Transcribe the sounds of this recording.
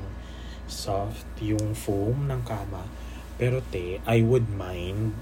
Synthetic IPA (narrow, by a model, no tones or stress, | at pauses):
soft̪jʊŋfumnɐŋkaːmɐ | pɛːɾot̪ɛʔajwʊd̪̚majnd̪̚